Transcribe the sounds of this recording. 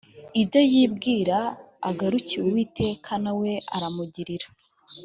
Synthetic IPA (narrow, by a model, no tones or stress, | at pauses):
ibɟo̞jiːbɡiːɾaː | ɡaɾuciwewiːtʰe̞ːkʰanawe̞ʔaɾamuɟiɾiɾḁ